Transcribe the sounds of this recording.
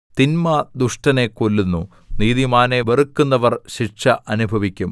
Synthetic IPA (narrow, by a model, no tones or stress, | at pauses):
t̪inmad̪uʂʈɐnekːolːunːu | niːðimaːneʋerukːunːɐʋɐrɕiʂɐʔɐnubʱɐʋikʲːum